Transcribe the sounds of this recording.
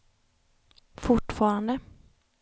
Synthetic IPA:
fʊʈːfɑːɾand̪ə

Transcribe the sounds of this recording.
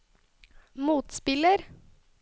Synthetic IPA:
muːt̪spɪləɾ

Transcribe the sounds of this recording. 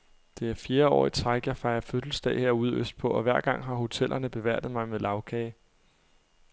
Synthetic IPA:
d̥e̝æɐfje̝ːɐɒ̰ːit͡sʰʁɑ̈ɪɡ̥jɑ̈ɪfɑ̈ɪɐfød̥l̩sd̥ɛ̰ɪheɐ̰uð̞̰ˠøsd̥̚pʰɒ̽ɒ̽ʋæɐ̰ɡ̥ɑ̈ŋ̰ɦɑ̈ho̝t͡sʰelʔɐnəb̥e̝ʋæɐ̰d̥ð̩ˠmɑ̈ɪmeðˠlɑ̈ʊkʰɛɪ

